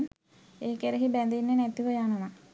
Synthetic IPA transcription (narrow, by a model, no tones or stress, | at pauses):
n | eːkeɾeɦibænd̪inːenɛt̪uʋəjanəʋa